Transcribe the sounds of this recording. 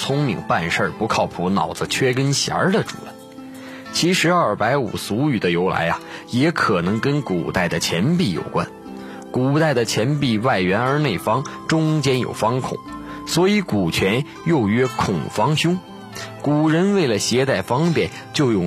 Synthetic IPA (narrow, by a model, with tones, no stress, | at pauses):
t͡sʰʊ˥ŋmḭ˨˧˩ŋpa˥˧nʂə˞˥˩pu˧˥kʰɑ˥˩ʊpʰu˧˥nɑ̰˨˩ʊd͡zə˦t͡ɕʰɥɛ˥k̬ə˥nɕja̰˧˥d̪ə˨ʈ͡ʂṵ˨˩ə˥n | t͡ɕʰi˧˥ʂɻ̩˧˥ɐ˞˥˩pa˧˥ɪṵ˨˩su˧˥y˨˩d̪ə˦jo˧˥ʊla̰˧˥ɪɐ˧jɛ˧˥kʰɤ˨˩nɤ˧˥ŋkə˥nkṵ˨˩t̪a˥˩ɪd̪ə˩t͡ɕʰjɛ˧˥npi˥˩jo̰˨˩ʊkwa̰˥n | ku˨˩t̪a˥˩ɪd̪ə˩t͡ɕʰjɛ˧˥npi˥˧wa˥˩ɪɥɛ˧˥nə˞˧˥ne˥˩ɪfɑ˥ŋʈ͡ʂʊ˥ŋt͡ɕjɛ˥njo̰˨˩ʊfɑ˥ŋkʰʊ̰˨˩˦ŋswɔ˧˥i˧˥ku˨˩t͡ɕʰɥɛ˧˥n | jo˥˩ʊɥɛ˥kʰʊ˨˩ŋfɑ˥ŋɕjʊ˥ŋ | ku˨˩ɻə˧˥nwe˥˩ɪlə˩ɕjɛ˧˥t̪a˥˩ɪfɑ˥ŋpjɛ˥˩n | t͡ɕjo˥˧ʊjʊ˥˩